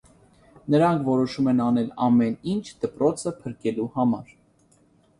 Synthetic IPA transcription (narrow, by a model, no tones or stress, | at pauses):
nəɾɑŋkʰvɔɾɔʃumɛnɑnɛlɑ̰mɛnint͡ʃʰd̪̥əpɾɔt͡sʰəpʰəɾkɛluhɑmɑɾ